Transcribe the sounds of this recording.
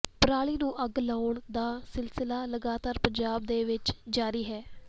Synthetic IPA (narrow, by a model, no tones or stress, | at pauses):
pɾaːɭiːnũːʔəɡlaːʊɳd̪aːsɪlsɪlaːləɡaːt̪aːɾpəɲd͡ʒaːbd̪eːʋɪt͡ʃd͡ʒaːɾiːɦɛː